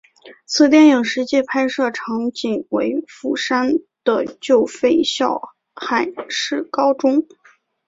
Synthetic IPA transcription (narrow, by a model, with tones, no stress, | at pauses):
t͡sʰɹ̩˨˩t̪̬jɛ˥˩nji˨˩ŋʂɻ̩˧˥t͡ɕjɛ˥˧pʰa˥ɪʂɤ˥˩ʈ͡ʂʰɑ˧˥ŋt͡ɕi˨˩ŋwe˧˥ɪfu˥˩ʂa˥n | d̪̥ə˨t͡ɕjo˥˩˧ʊfe˥˩ɪɕjɑ˥˩ʊ | xa˨˩nʂɻ̩˥˩kɑ˥ʊʈ͡ʂʊ˥ŋ